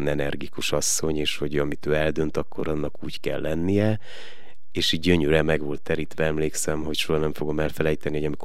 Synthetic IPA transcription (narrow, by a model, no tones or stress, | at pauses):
nɛnɛrɡikuʃɒsːo̞ɲeːʃho̞ɟɒmit̪øːɛld̪ø̞nt̪ɒkːo̞̰ɾɒnːɒkuːckɛ̰lːɛnːijɛ | eːʃiːɟɟø̞ɲøɾɛmɛɡʋo̞lt̪ːɛɾit̪ʋɛɛmleːksɛmɦo̞cʃoɦɒnɛɱfo̞ɡo̞mɛlfɛlɛjt̪ɛnihoɟɒmik